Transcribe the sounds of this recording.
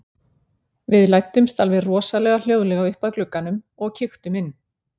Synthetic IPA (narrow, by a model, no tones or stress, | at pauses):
vɪðlajt̪ːʏmst̪alvɪðrɔːsalɛːɣal̥jowðlɛɣaʏhpaðklʏkːanʏm | ɔɣcʰɪxt̪ʏmɪnː